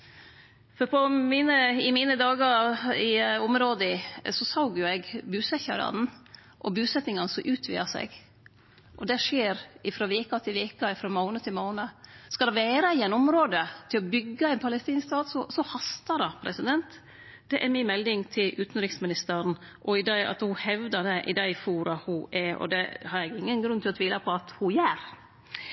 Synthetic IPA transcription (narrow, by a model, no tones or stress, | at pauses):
fɔɾpʰɔmiːnəɪmiːnəd̪ɑːɡɑɾɪɔmɾoːd̪əsɔsɑʊɡjʊɛɡbʉːsɛçɑ̰ɾɑ̰d̪n̩ | ʔɔbʉːsɛt̪nɪŋɑnəsɔmʔʉːt̪ʰʋḭːɑsɛ̰ɡ | ʔɔd̪ɛʂeːɾɪfɾoːʋiːkɑt̪ʰɪlʋiːkɑɪfɾɔːmɔːnət̪ʰɪlmɔːnəskɑld̪ɛʋeːɾɑɪɛnɔmɾoːd̪ət̪ʰɪlɔbʏɡːɑɛɪnpʰɑlɛst̪iːnskst̪ɑːd̪sɔsɔhɑst̪ɑd̪ɑpʰɾɛsɪd̪ɛnt̪ | d̪̥ɛʔɛɾmɪnmɛld̪ɪŋt̪ʰɪlʉːt̪nɾɪksmɪnɪst̪əɾn̩ | ʔɔɪd̪ɑɑ̰t̪hʊhɛʋd̪əd̪ɛʔɪ̰d̪æɪfuːɾɑhʊʔɛɔ̰d̪ɛhɑɾjɛɡɪŋːənɡɾʉnt̪ʰɪlɔt̪ʋiːləpʰɔɑt̪hʊjæːɾ